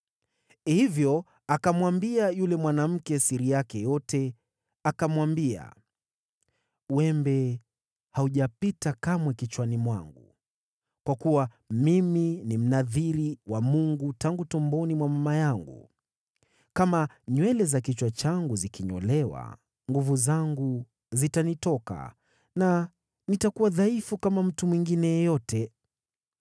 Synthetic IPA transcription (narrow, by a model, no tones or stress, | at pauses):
hivjɔ | akamwambiajulɛmwanam̩kɛsiɾijakɛjɔtɛ | akamwambia̰ | wɛmbɛ | hauʄapitakamwɛkit͡ʃwanimwaŋɡu | kwakuwa | miminim̩naðiɾiwamuŋɡutaŋɡutɔmbɔnimwamamajaŋɡṵ | kama | ɲwɛlɛzakit͡ʃwat͡ʃaŋɡuzikiɲɔ̰lɛwa̰ | ŋɡuvuzaŋɡu | zitanitɔka̰ | na | nitakuwaðaifukamam̩tumwiŋɡinɛjɛjɔtɛ